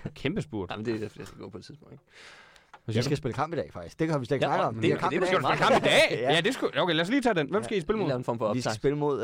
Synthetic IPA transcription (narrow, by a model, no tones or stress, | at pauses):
kʰemb̥əsb̥uɐ̰d̥md̥e̥efd̥isɡ̥ɡɔ̰̽ːpʰɒ̽e̥t͡siðˠpoŋnd̥e̥ | ʋe̝sʋisɡ̥æsb̥eləkʰɑ̈m̰b̥idɛ̰ːfɑ̈ɡ̥d̥isɡ̥̚d̥e̝kɑʋiseɡnɑɡəɒ̽mkʰɑ̰sɡædu̥eləkɑ̈mb̥id̥ɛ̰ːjæd̥e̝sɡ̥uoʊkeɪlæsliːt͡sʰɛ̰ːdenʋem̰sɡ̥æisb̥eləmo̝ðenfɒ̰m̩fɒissb̥e̝ləmo̝ð̰ˠ